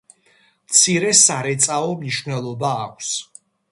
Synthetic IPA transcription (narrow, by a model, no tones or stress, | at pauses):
mt̪sʰiɾɛsaɾɛt̪sʼaɔmniʃvnɛlˠɔbaːkʷʰs